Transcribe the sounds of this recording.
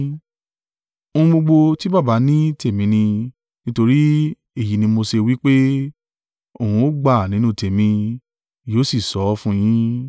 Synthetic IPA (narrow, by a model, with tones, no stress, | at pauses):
o˧ũ˧ɡ͡bo˧ɡ͡bo˧ti˦ba˦˨ba˨˦nĩ˦te˦˨mĩ˨˦nĩ˧ | nĩ˦to˧ɾi˦ | e˦˨ji˨nĩ˧mo˧se˧wi˦k͡pe˦ | o˦˨hũ˧o˦ɡ͡ba˦˨nĩ˨˦nũ˧te˨mĩ˧ | joː˨˦si˦˨sɔ˨˦fũ˦j̃ĩ˦